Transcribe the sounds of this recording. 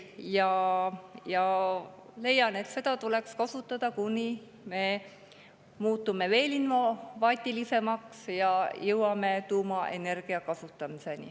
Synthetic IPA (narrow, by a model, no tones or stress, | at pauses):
jɑ | jɑ | le̞jɑne̞t̪se̞d̪̥ɑt̪ule̞kskɑsut̪ˑːɑd̪̥ɑkunʲi | me̞ | muːt̪ːume̞ve̞ːlinfovɑːt̪ʲːˑilise̞mɑksjɑjɤwɑme̞t̪uːmɑʔe̞ne̞rɡ̥iɑkɑsut̪ːˑɑmise̞nḭ